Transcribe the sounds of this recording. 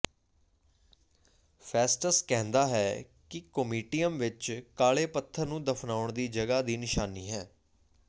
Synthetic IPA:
pʰɛːsʈəskɛ̃ɦnd̪aːɦɛː | kɪkəmiːʈijəmʋɪt͡ʃkaːɭeːpət̪ʰːəɾnũːd̪əpʰnaːʊɳd̪iːd͡ʒəɡaːd̪iːnɪʃaːniːɦɛː

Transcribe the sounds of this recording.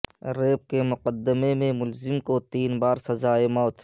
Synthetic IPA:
ɾeːp̚kemʊqəd̪ːɪmemẽmʊlzɪmkot̪iːnbaːɾsɐzaːemɔːt̪

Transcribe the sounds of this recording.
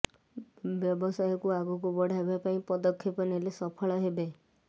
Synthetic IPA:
bjɔbɔsajɔkuaɡuk̬ubɔɽ̤ʱajbapaĩpɔd̪ɔkʰːjɔpɔnelesɔpʰɔɭɔɦebe

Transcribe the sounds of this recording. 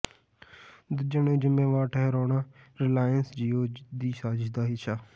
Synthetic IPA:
d̪ʊd͡ʒənẽːd͡ʒɪmːeːʋaːɾʈʰɛɦɛɾoːnaː | ɾɪlaːjənsd͡ʒiːoːd̪iːʃaːd͡ʒɪʃd̪aːɦɪʃʰaː

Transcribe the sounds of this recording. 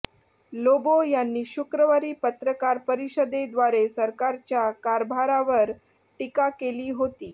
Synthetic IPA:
lobojanːiːɕukɾəʋaɾiːpət̪ɾəkaɾpəɾiɕəd̪ed̪ʋaɾesəɾkaɾt͡ɕjakaɾbʱaɾaʋəɾ | ʈikakeliːɦot̪iː

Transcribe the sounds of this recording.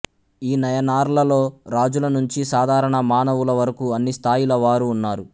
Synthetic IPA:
iːnɐjɐnaːɾlɐlo̞ːɾaːd͡ʒulɐnuɲt͡ʃisaːd̪ʱaːɾɐɳɐmaːnɐʋulɐʋɐɾɐkuɐnːist̪ʰaːjulɐʋaːɾuːnːaːɾu

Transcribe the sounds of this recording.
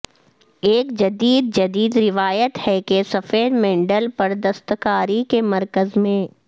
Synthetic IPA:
eːkd͡ʒɐd̪iːd̪̚d͡ʒɐd̪iːd̪ɾɪʋaːjət̪hɛkesɐfeːɾmɛ̃ːɳɖəlpɐɾd̪ɐst̪kaːɾikemɐɾkəzmẽː

